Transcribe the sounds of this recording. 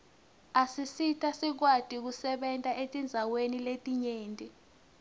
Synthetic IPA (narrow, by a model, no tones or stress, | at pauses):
asisitʰasik̬watʼik̬usɛɓɛntʼaʔetʼind͡zʱaweniletʼiɲeːntʼi